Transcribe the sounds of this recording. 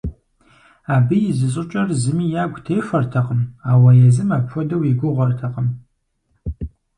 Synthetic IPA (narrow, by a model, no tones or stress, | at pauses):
aːbɨjɪzɨɕʼɪt͡ʃʼɐrzɨmiːjaːɡʷtʰejfʷɐrtʰɐqʼəmaːwɐjɛzɨmaːpxʷɔdɐwiɡʷʊʁʷɐrtʰɐqʼəm